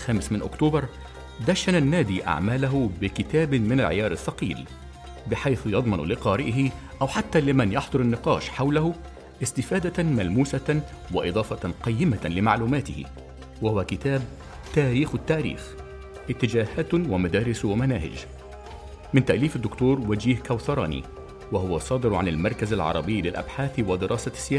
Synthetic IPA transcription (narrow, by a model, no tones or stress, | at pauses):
xæːmɪsmɪnʔʊ̰kt̪uːbɑɾˤ | d̪æʃananːæːd̪ḭːʔa̰ʕmæːlaɦʊbɪkɪt̪æːbmɪnalʕɪ̰jɑːɾˤɪfːɑqiːl | bɪħajθjɑd̪ˤmɑnlɪqɑːɾɪʔɪɦɪ | ʔawħat̪ːæːlɪmanjɑħd̪ˤʊɾˤɪnːɪqɑ̰ːʃħawlahʊ | ʔɪst̪ɪfaːd̪amælmuːsa | wɪʔɨd̪ˤɑːfɑqɑjːɪmalɪma̰ʕluːmæːt̪ɪhɪ̰ | wahʊwakɪt̪aːb̚ | t̪aːɾiːxɪt̪ːaːɾḭːx | ʔɪt̪ːɪd͡ʒaːhaːt̪wamad̪æːɾɪswamana̰ːhɪ̰d͡ʒ | mɪnt̪aʔliːfad̪ːʊkt̪uːɾˤwad͡ʒiːhkawθɑɾˤɑːnḭ | wahʊwasˤːɑːd̪ɪɾʕa̰nɪlmɑɾˤkazalʕɑ̰ɾˤɑ̰bɪjːlɪlʔa̰bħaːθwɪd̪ɪɾʔɑːsasːɪjaː